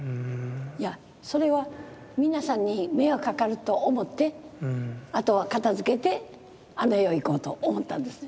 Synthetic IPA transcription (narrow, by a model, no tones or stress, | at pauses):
ja | so̞ɾe̞βa | mʲinasãɲ̟ːime̞okakaɾɯ̟t̪o̞ʔːmo̞t̪ːe̞ | at̪o̞βakat̪azɨke̞t̪e̞ | anoeoiko̞ːt̪o̞omo̞t̪ːãnd̪e̞sɨ̥ne